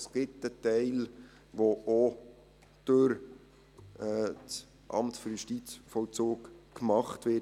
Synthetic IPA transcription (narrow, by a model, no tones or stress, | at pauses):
sɡ̥ɪtətɛɪl | ʋoʔo | d̥øɾ | ɛt͡s | ʔɑ̰mtføɾjuʃtit͡sfɔlt͡soːkːmɑχtʋɪ